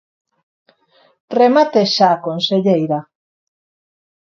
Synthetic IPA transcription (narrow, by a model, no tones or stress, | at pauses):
remat̪eʃaːkonseʎejɾa